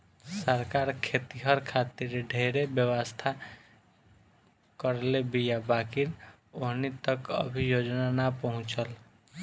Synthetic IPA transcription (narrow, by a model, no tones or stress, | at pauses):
səɾkaɾkʰet̪iɦəɾkʰat̪iɾɖʱeɾebjəwəst̪ʰa | kəɾlebijabakiɾ | oɦnit̪əkə̰bʱijod͡ʒnanapəɦʊ̃t͡ʃəl